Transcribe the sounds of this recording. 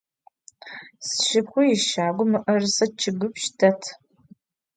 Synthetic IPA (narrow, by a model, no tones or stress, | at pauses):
sʃɪpxʷʊjɪʃaːɡʷʊmɨʔɐrsɐt͡ʃʰɪɡɨpʃtʰɐtʰ